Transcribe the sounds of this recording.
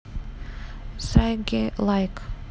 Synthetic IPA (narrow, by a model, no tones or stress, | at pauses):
saɡelajk